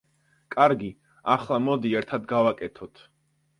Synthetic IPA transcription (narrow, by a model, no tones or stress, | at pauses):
kʼaɾɡi | aχlˠamɔd̪iɛɾt̪ʰad̪ɡavakʼɛt̪ʰɔt̪ʰ